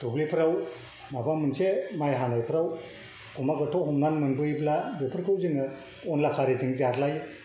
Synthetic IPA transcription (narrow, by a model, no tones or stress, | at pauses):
d̥oblipʰɾaw | mabamɯnsemajɦanajpʰɾaw | ɡumaɡɯtʰohumɡanmɯnbɯjblabepʰɯɾkʰɯwzɯŋɯ | ɔnlakʰaɾeziŋzaɾlaj